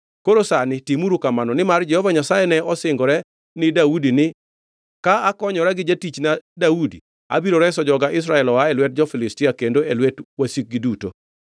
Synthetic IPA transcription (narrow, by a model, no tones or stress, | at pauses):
koɾosanɪtimuɾukamanɔnɪmard͡ʒɛhɔvaɲasajɛnɛɔsɪŋɡɔɾɛ | nɪdaudinɪ | kaakɔɲɔɾɛɡɪd͡ʒatit͡ʃnadaudḭ | a̰biɾoɾɛsɔd͡ʒɔɡaʔɪs̬ɾaɛlɔaɛlwɛt̚d͡ʒɔfɪlɪstɪakendoelwɛtwasik̚ɡiduto̰